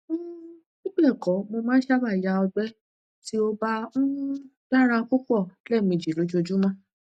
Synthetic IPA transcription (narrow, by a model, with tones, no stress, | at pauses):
nĩ˦k͡pɛ˦˨kɔ˨˦mo˧mãː˦ʃa˦ba˦˨ja˧˦ɔ˧ɡ͡bɛ˦ | ti˦o˧ba˧˦ũ˦ | d̥a˦ɾ̃ã˧ku˦k͡pɔ˦˨lɛ˦˨mĩ˨d͡ʒi˨˦lo˨˧˦d͡ʒu˦o˧d͡ʒu˦mã˦